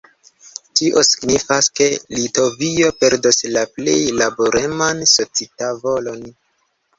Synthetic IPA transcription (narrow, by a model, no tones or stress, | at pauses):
tiʔo̞si̥ɡnifaske̞lito̞vio̞pe̞ɾdoslaple̞̰jlaboɾemanso̞t͡sitavo̞lo̞n